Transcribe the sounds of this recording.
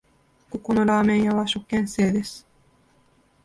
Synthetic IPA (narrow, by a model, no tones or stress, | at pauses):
kukunolɑːmenjɑwɑʃukːensed̪es